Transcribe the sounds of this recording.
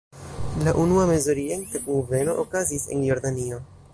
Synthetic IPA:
laʔunuame̞zoɾientekuve̞no̞ʔokazise̞̰njo̞ɾdanio̞

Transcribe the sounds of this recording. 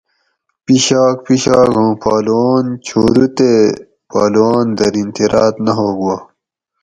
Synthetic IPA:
piɕaːk̚piɕaːkõːpaːluwaːnt͡ɕʰoːɾut̪e | paːluwaːnd̪ɐɾint̪iɾaːt̪nɐɦoːɡuwa

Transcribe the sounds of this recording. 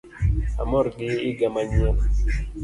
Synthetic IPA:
a̰mɔɾɡɪɪɡamaɲom

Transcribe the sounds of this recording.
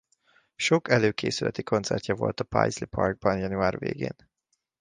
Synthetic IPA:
ʃokɛløːkʰeːsylɛt̪ikʰo̞nt̪sɛrcʲɒvo̞̰lt̪ɒpa̰jzlipʰɒrɡ̚bɒnjɒnuaːrvḛːɡeːn

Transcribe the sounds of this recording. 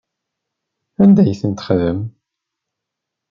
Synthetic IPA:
ænd̪æjəθənt̪ə̥χðəm

